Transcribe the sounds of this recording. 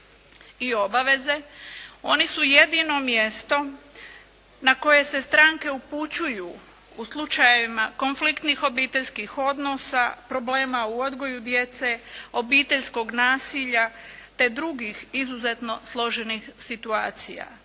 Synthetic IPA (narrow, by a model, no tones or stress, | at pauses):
io̞baʋe̞ze̞o̞nisuje̞d̪ino̞mje̞st̪o̞ | nako̞je̞se̞st̪ɾaːŋke̞uput͡ɕuju | uslˠut͡ʃajeʋimako̞nflikt̪nixo̞biːt̪e̞ʎskixo̞d̪nosapɾo̞ble̞ːmauo̞d̪ɡo̞jud̪je̞t̪se̞o̞biːt̪e̞ʎsko̞ɡnaːsiʎat̪e̞d̪ɾuɡixizuze̞t̪no̞slˠo̞ʒe̞nixsit̪uaːt̪sḭja̰